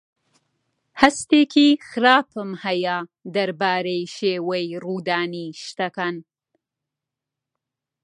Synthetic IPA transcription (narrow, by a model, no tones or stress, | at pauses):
hast̪ekʰixɾɑːpʰəmhajaːd̪aɾbɑːɾejʃewəjɾud̪ɑːniʃt̪akan